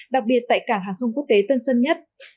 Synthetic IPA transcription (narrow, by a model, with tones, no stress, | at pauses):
ɗa˨˩k̚ɓi˨˩ət̚t̪a̰ː˧˨jkaː˧˩ŋɦaː˨˩xə˧wŋ͡mku˦˥ək̚t̪e˨˦t̪ə˧nsə˧nɲə˦˥t̚